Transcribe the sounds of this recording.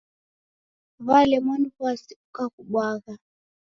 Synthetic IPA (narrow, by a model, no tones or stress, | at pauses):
βalɛmɔniɣwasiukakuɓwaɣa